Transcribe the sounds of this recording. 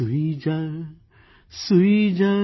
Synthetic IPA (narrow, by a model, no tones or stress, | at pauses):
uid͡ʒa | suid͡ʒa